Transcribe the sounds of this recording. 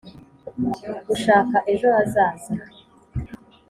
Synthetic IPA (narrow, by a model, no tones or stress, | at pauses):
ɡuʃaːkaʔe̞ʒo̞azaːza